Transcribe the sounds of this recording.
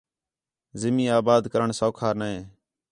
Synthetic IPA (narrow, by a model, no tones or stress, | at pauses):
zɪmiːaːbaːd̪kəɾəɳsəːkʰaːɾnaẽː